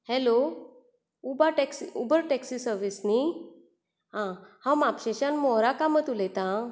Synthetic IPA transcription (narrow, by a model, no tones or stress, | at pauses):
hɛlo | ubaʈɛksiubəɾʈɛksisəɾʋisni | ɦãhãwmapɕeɕanmɔɦɾakamət̪ulɛt̪ã